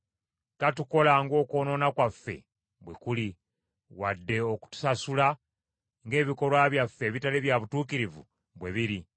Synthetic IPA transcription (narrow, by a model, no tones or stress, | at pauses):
katuko̞laŋɡo̞ːko̞ːno̞nakwafːe̞̰ | bwḛkuli | wadːe̞oku̥tu̥sasula | ŋɡe̞ːβiko̞lwaːβjafːe̞ːβitaleβjaβutuːkiɾivṵ | βwe̞βiɾi